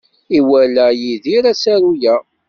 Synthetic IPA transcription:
iwælæjiðiɾæsæɾujæ

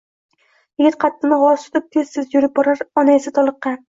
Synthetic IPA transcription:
jɪɡʲɪt̪̚qʰɑt̪ʰːɪnɪʁɒt̪ʊ̥t̪ɪp̚t̪ʰezsɪzjʊɾɪp̚bɒɾaɾɒnaesɪt̪ʰɒlˠɨqːɑ

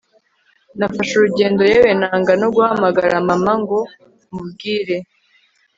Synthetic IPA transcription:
nafaʃuɾuɟe̞ːndo̞jewenaːŋɡano̞ɡuhamaɡaɾamamaŋɡo̞ | mub̚ɡiːɾe̞

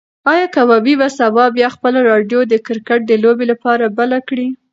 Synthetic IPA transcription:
ɑjɑkawɑbibasabɑbjɑxpəlaɾɑɖjod̪əkɪɾkaʈ̚d̪əlobelapɑɾabalakɽi

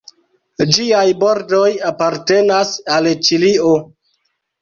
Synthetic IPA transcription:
d͡ʒiajbo̞ɾdojapaɾte̞nasalt͡ʃilio

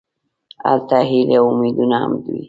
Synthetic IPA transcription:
a̰lt̪aɦileumid̪unaa̰md̪wḭ

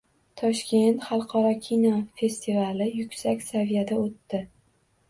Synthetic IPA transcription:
t̪ʰɒʃkʲe̞nt̪χɑlˠqʰɒɾɒkʲʰinofe̞st̪ʰivalɪjʊkʲsakʲsavijad̪aot̪ːɪ

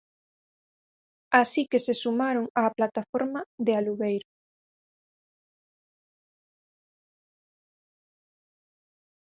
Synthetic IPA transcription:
asikesesumaɾoŋaːplat̪afoɾmaðealuβejɾo

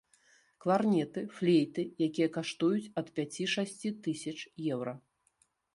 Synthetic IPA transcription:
klˠarnʲɛt̪ɨflʲejt̪ɨjakʲijɐkaʂt̪ujut͡sʲɐt̪pʲat͡sʲiʂasʲt͡sʲit̪ɨsʲɐt͡ʂjɛwɾɐ

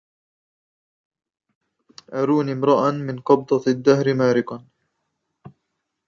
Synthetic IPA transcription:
ʔaɾuːniːmɾɑʔamɪnqɑb̚d̪ˤɑd̪ːahɾɪmaːɾɪkan

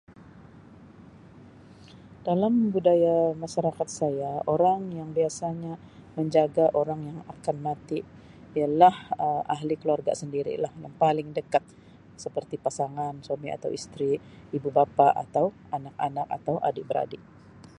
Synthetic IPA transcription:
d̥alambudajamaʃaɾakat̪̚sajaoɾaŋjaŋbiasaɲa | məɲd͡ʒaɡaʔoɾaŋjaŋakanmat̪i | ialahəmaɦlikəluarɡa̰səndiɾḭlahjaŋpalɪŋdəkat̪̚ | səpərt̪ipasaŋanswamia̰t̪awḭst̪ɾiː | bubapaʔa̰t̪aw | anak̚anaka̰t̪awʔa̰dɪʔbəɾa̰dɪʔ

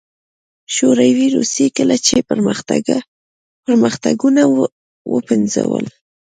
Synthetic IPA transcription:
ʃoɾawiɾusekəlat͡ʃepəɾməxt̪aɡa | pəɾməxt̪aɡuna | wəpɪnzawə̰l

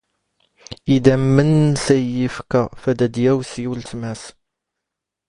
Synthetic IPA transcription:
id̪æmːənsæjjifkæfæd̪æd̪jæwsiwlt̪mæs

